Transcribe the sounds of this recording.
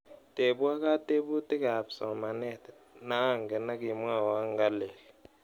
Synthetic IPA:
tʼe˨ɓu˦a˦k̬a˦tʼe˦ɓu˦tʼi˦ka˨psɔ˨ma˨nɛ˦˨tɛ | na˦ŋɡɛ˨na˦ki˨m˦a˦˨wa˦ŋɡa˦lɛː˨lɛ

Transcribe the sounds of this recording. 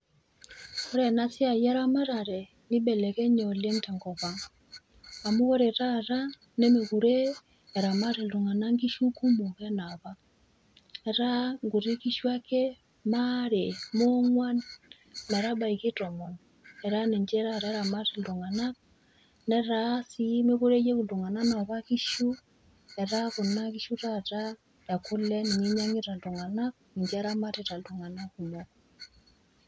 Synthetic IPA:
o˦ɾɛ˨na˦sja˨ja˦ɾa˦ma˦ɾa˨ɾɛ˨ | ni˦bɛ˨lɛ˨ɣɛ˦ɲɔ˨lɛ˦nta˨ŋɡɔ˨βa˨ | a˨mo˦ɣɔ˦ɾɛ˨ɾa˦ɾa˦ | nɛ˦me˨ɣu˨ɾeː˦˨ | ɾa˨ma˦ɾe˨lo˨ŋa˨na˦ŋɡi˦ʃu˦ku˦mo˨ɣɛ˦na˨βa˦ | ɛ˨ɾa˦ŋɡu˨ɾe˦ki˦ʃwa˦kɛ˦ | ma˦ɾe˨mo˦ŋwa˦ | ma˨ɾa˦ba˨i˨ke˦tɔ˨mɔ˨n | ɛ˨ɾa˦ne˨ɲd͡ʒɛ˦ɾa˦˨ɾɛ˦ɾa˨ma˦ti˨du˨ŋa˨na˦ | nɛ˦ɾa˦si˦me˦ku˦ɾe˦je˦ku˨du˨ŋa˨na˦na˨βa˦ki˦ʃu˦ | ɛ˨ɾa˦ku˨na˦ki˦ʃu˦ta˦ta˦ | ja˨ku˦lɛ˦ni˨ŋe˦ɲa˦ŋe˦ɾa˨du˨ŋa˨na˦ | ne˨ɲd͡ʒɛ˦ɾa˦mateta˨du˨ŋa˨na˦ku˨mɔk

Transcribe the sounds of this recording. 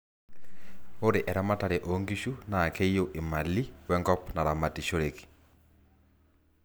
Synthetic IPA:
o˦ɾe˨ʔɛ˨ɾa˦ma˦ta˨ɾɛ˨ʔoŋɡiʃu˦na˨kʰe˦ijo˦ʔi˨ma˨li˦wɛ˦ŋɡɔ˦pna˨ɾa˨ma˨ti˨ʃo˦ɾeki̥˨

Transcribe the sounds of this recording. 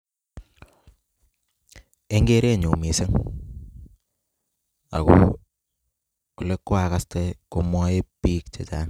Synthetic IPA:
e˦ŋɡe˦ɾe˦˨ɲu˨mi˨se˦ŋ | a̰˨ko˦ | kʊ˨le˦kːwa˨ka˦ste˦ko˦mwɔ˦e˦pi˦k̚t͡ʃe˨t͡ʃa˦n

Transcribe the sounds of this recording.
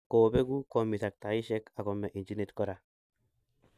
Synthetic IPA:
kɔ˨bɛ˦ɡu˦kɔ˨mi˨ta˨k̚t̪a˨i˦ʃɛ˦ka˨kɔ˨mɛ˨ʔi˨nd͡ʒi˦ne˦t̪kɔ˦ɾa˨

